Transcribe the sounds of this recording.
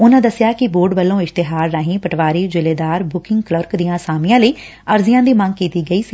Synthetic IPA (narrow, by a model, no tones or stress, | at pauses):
ʊnãːd̪əsːjaːkɪboːɾɖbəlːõːɪʃt̪ɪɦaːɾːaːɦĩːpəʈʰʋaːɾiːd͡ʒɪleːd̪aːɾbʊkɪ̃ŋɡkləɾkd̪ijãːsaːmɪjãːləiː | əɾzɪjãːd̪iːmə̃ŋɡ̚kiːt̪iːɡəiːsi